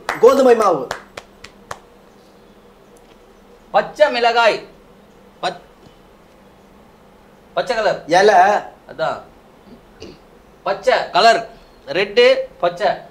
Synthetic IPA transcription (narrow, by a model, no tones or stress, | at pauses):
ɡoːd̪ɯmɐjmaːʋɯ | pɐt͡ʃːɐmɪlɐɣaːj | pɐ | pɐt͡ʃːɐkɐlɐɾɛlɐɐðaː | pɐt͡ʃːɐkɐlɐɾ | ɾɛɳɖɯpɐt͡ʃːɐ